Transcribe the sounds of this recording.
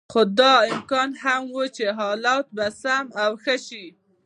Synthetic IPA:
xod̪ɑɪmkɑnhamwut͡ʃeɦɑlɑt̪̚basamawxəʃi

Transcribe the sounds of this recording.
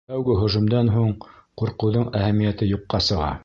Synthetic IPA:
æwɡɘɦŏʒŭmd̪ɑnɦuɴquɾqɤ̆wðoɴæhæmijæt̪ɘjuqːɑsɤ̆ʁɑ̰

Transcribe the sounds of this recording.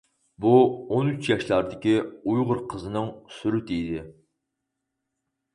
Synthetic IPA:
buonyt͡ʃjɑʃlˠɑɾd̪ɪkʲiujʁʊɾqʰəzɨnɨŋsyɾɪt̪id̪ɪ

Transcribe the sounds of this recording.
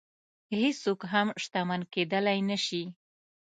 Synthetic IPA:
hest͡sokɦamʃt̪amanked̪əlajnaʃi

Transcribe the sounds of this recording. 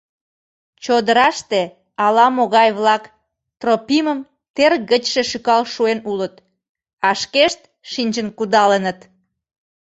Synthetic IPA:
t͡ɕod̪əɾɑʃt̪e | ɑlɑmoɣɑjβlɑk | t̪ropiməm | t̪erɣət͡ɕʃeʃykɑlʃuenulət̪ | ɑʃkeʃt̪̚ | ʃinʲt͡ɕənkud̪ɑlənət̪

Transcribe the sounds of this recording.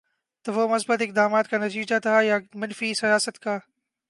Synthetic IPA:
t̪ɐʋomʊsbət̪ɪk̚d̪aːmaːt̪kanɐt̪iːd͡ʒat̪ʰajamɐnfisɐjaːsət̪kaː

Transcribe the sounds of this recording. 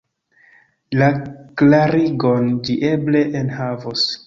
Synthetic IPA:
laklaɾiɡo̞nd͡ʒiʔe̞ble̞ʔenhavos

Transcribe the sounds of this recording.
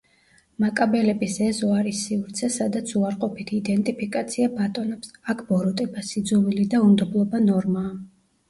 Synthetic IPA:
makʼabɛlɛbisɛzɔaɾisiuɾt̪sʰɛsad̪at̪sʰuaɾqʼɔpit̪ʰid̪ɛnt̪ʼipʰikʼat̪sʰiabat̪ʼɔnɛpsakʰbɔɾɔt̪ʼɛbasid̪zɔvilid̪aumd̪ɔblˠɔbanɔɾmaː

